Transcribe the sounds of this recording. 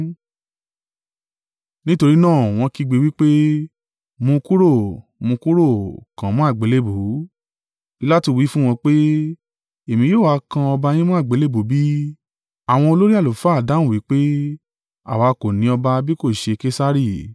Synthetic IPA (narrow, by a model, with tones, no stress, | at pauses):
nĩ˦to˧ɾi˦nãː˦˨w̃ɔ̃˧ki˧ɡ͡be˧˦wi˦k͡pe˦ | mũ˧ku˦ɾo˦˨mũ˧ku˦ɾo˦˨kã˨˦mɔ̃˦a˦˨ɡ͡be˨˦le˦bu˨˦ | i˦la˦ti˧wi˨˦fũ˦w̃ɔ̃˧k͡pe˦ | e˨mĩ˧joː˦˨wa˧kã˧ɔ˧ba˧j̃ĩ˦mũ˦a˦˨ɡ͡be˨˦le˦bu˨˦bi˦ | a˦˨w̃ɔ̃˧o˧lo˦ɾi˦a˦˨lo˨˦fa˦˨da˨˦ũ˦˨wi˨˦k͡pe˦ | a̰˦˨wa˨˧ko˨nĩ˨˦ɔ˧ba˧bi˦ko˦˨ʃe˧ke˦sa˦ɾi˦˨